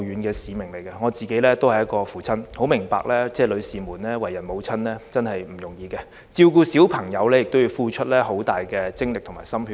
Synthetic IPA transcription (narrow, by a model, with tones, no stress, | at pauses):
yː˨˧nkɛː˧siː˨mɪ˨˩ŋle˨˩jkɐ˧ŋɔː˨˧t͡siː˨ke˨˥jlɛː˥t̪o˥whɐ˨jːɐ˥t̚kɔː˧fuː˨˩t͡sʰɐ˥nho˨˥wmɪ˨˩ŋpa̰ː˧k̚lɛː˥t͡sɛː˥˩lɵ˨˧ɥsiː˨muː˨˩nlɛː˥wɐ˨˩jɐ˨˩nmo˨˧wt͡sʰɐ˥nlɛː˥t͡sɐ˥nhɐ˨jm̩˨˩jʊ˨˩ŋjiː˨˧ɡɛ˧ | t͡siː˧wkuː˧siː˨˥wpʰɐ˨˩ŋjɐ˨˧wlɛː˥jɪ˨k̚t̪o˥wji˧wfuː˧t͡ʃʰɵ˥t̚lɛː˥ho˨˥wt̪aː˨jkɛː˧t͡sɪ˥ŋlɪ˨k̚t̪ʰŋmaː˨˩sɐ˥mhy˧